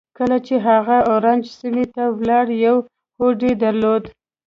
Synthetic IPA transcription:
kəlat͡ʃeɦaɣaoɾand͡ʒsimet̪awlɑɽjaw | hoɖed̪aɾlod̪

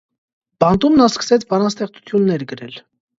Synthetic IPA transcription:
b̥ɑnt̪umnɑskə̥sɛt͡sʰbɑnɑst̪ɛχt͡su̥t̪ʰjunːɛɾɡəɾɛl

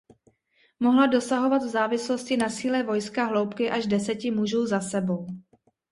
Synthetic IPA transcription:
mo̞ɦlado̞saɦo̞vat̪vzaːvɪslo̞scɪnasiːlɛvo̞jskaɦlo̞wpkɪʔaʒdɛsɛcɪmuʒuːzasɛbo̞w

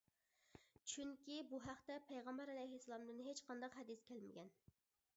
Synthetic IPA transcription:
t͡ʃʰyŋkʲibuɦæχt̪ɛpʰɛjʁɑmbɛɾɛlɛjɦisːɑlˠɑmd̪ɨnɦet͡ʃqʰɑnd̪ɑqɦɛd̪ɨskʲʰælmɪ̰ɡʲɛn

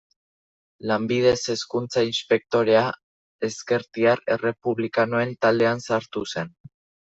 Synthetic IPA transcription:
lambið̞e̞se̞skunt͡sainspe̞k̚t̪o̞ɾe̞a | e̞ske̞ɾt̪iare̞re̞puβlikanoe̞nt̪ald̪e̞ansaɾt̪use̞n

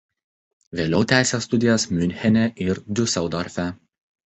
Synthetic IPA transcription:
ʋʲeːlʲɛʊt̪ʲæˑɪsʲeːsːt̪ʊd̪ʲɪjɛsmʲʊnʲxʲɛnʲɛʔɪɾd̪ʲʊsʲɛʊd̪ɔɾʲfʲæ

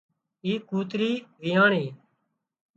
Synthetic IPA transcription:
iːkuːt̪ɾiːʋijaːɳiː

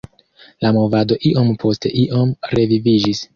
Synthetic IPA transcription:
lamo̞vado̞ʔiʔo̞mpʰo̞ste̞ʔiʔo̞mɾe̞vivid͡ʒis

